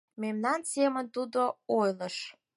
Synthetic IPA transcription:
memnɑnsemə̆nt̪ud̪oojləʃ

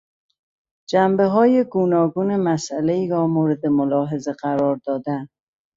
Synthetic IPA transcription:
d͡ʒæmbeɦɒːjeɡuːnɒːɡuːnemæsʔæleiːɾɒːmoːɾed̪emolɒːɦe̞zeɢæɾɒːɾd̪ɒːd̪æn

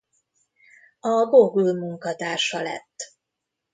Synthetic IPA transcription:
ɒboɡulmuŋkɒt̪aːʃɒlɛ̰t̪ː

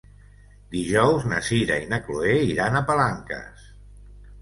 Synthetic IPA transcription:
d̪iʒɔwznəsiɾainəkloeiɾanəpalaŋkə̰s

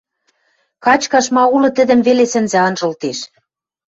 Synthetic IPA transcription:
kɑt͡ɕkɑʃmɑulɤ̆t̪ə̆d̪ə̆mβelesɘ̆nzæ̆ɑnʒɤ̆lt̪eʃ

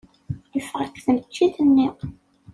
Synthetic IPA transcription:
jəfəʁækːθəmt͡ʃːiθənːi

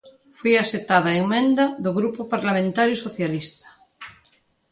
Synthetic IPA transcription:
fujaset̪aðaeŋmẽnd̪aðoɣɾupopaɾlamẽnt̪aɾjosoθjalist̪ḁ

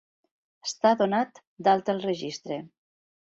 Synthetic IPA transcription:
əst̪aðonat̪ | d̪alˠt̪əlˠrəʒist̪ɾe

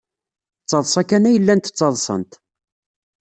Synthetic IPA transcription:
t͡sːɑðˤsˤɑkænæjəlːænt̪ə̥t͡sːɑðˤsˤə̰nt̪

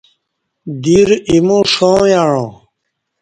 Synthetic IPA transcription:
d̪iːɾimũːʂõːjaːɻõː

